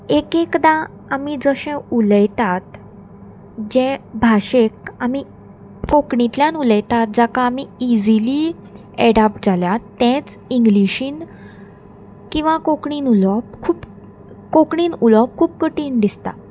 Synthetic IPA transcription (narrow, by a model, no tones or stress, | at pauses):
ekekd̪ã | amid͡zəɕẽuləjt̪at̪ | d͡ʑɛ̃bʱaɕekami | kokɳit̪ljanuləjt̪at̪̚d͡zakaːmiid͡zili | ɛɽapʈ̚d͡zaljat̪ːɛ̃t͡s | iŋɡliɕiːn | kĩw̃ʋakokɳiːnulɔp̚kʰuːp | kokɳiːnulɔp̚kʰuːp̚kəʈiːnd̪ist̪a̰